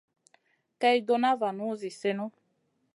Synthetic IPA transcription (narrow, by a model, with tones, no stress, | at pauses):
kɛ˧ji˦d̪o˧na˦va˨nũ˦zi˨se˦nɔ̃˦